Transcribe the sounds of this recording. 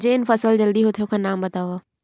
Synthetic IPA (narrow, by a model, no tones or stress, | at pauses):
d͡ʒeːnfɐsəld͡ʒɐld̪iɦoːt̪ʰijõkʰãnaːmbɐt̪aːʋaː